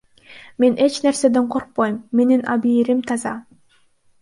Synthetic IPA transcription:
me̞nʔe̞t͡ʃne̞ɾse̞d̪e̞ɴqʰo̞ɾq̚pojmːe̞ninɑbiːɾimt̪ʰɑzɑ

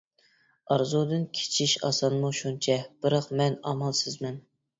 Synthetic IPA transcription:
ɑɾzud̪ɨnkʲʰe̥t͡ʃʰiʃɑ̰sɑnmuʃunt͡ʃʰɛb̥ɨɾɑqmɛnɑ̰mɑlˠsɪzmɛn

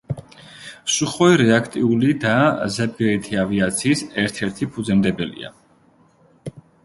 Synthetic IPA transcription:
suχɔiɾɛakʰt̪ʼiulid̪azɛb̚ɡɛit̪ʰiaviat̪sʰiːsɛɾt̪ʰɛɾt̪ʰipʰud̪zɛmd̪ɛbɛlḭa̰

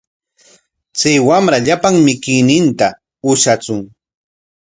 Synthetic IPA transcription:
t͡sajwamɾaʎapaŋmɪkɪjnɪnt̪a | ʊʃat͡sʊŋ

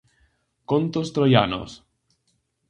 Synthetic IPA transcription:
kont̪ost̪ɾojano̰s

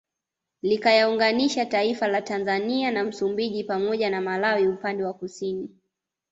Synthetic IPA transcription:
likajauŋɡaniʃataifalatanzanianam̩sumbiʄipamɔʄanamalawiupandɛwakusini

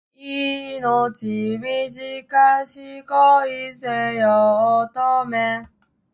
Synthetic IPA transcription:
inɔt͡ɕimid͡ʑikaɕikɔisejɔɔt̪ɔmɛ

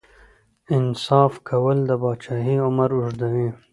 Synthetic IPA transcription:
ɪnsɑːfkʰɐwɐld̪ɐbɑːt͡ʃaːɦiːʊmɐɾʊʐd̪ɐwĩː

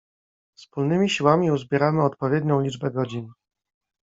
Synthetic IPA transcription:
fspulnɘmʲiɕiwamʲiuzbʲjɛɾamɘɔt̪̚pɔvʲjɛd̪ɲɔ̃w̃lʲid͡ʐbɛɡɔd͡ʑin

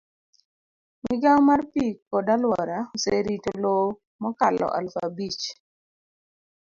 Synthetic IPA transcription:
miɡawmarpikɔdalwɔɾaoseɾitolo | mɔkalɔ̰ʔa̰lfabit͡ʃ

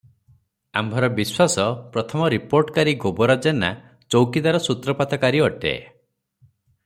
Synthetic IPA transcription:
a̰mbʱɔɾɔbiswasɔpɾɔt̪ʰɔmɔɾipoɾʈkaɾiɡobɔɾad͡ʒena̰ | t͡ʃowkid̪aɾɔsut̪ɾɔpat̪ʰɔkaɾiɔʈḛ

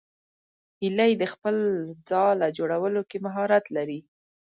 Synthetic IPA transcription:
hilajd̪əxpəld͡zɑlad͡ʒoɽawəlokemaɦɑɾat̪laɾi

